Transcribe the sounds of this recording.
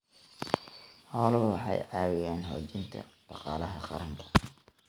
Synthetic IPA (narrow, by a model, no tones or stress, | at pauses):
hɔːlʊwɑħɑjʕɑːwɪjaːnɦɔ̰ːt͡ʃɪnt̪ʰɐ̰ɖ̥ɑqɑːlɐɦɐqɑ̰ɾɐŋkʰɐ̥